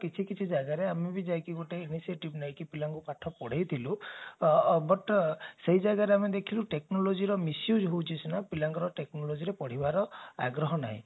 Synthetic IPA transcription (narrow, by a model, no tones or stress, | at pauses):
kit͡ʃʰikit͡ʃʰid͡ʒaɡaɾeamebid͡ʒajkiɡoʈeinisieʈibnaɦj̃kipilaŋɡupaʈʰːɔpɔɽ̤ejt̪ʰilu | bɔʈseɦid͡ʒaɡaɾeamed̪ekʰiluʈeknɔlod͡ʒiɾɔmisjud͡ʒɦowt͡ʃʰisunapilaŋɡɔɾɔʈeknɔlod͡ʒiɾepɔɽ̤ibaɾɔa̰ɡɾɔɦɔna̰ɦḭ̃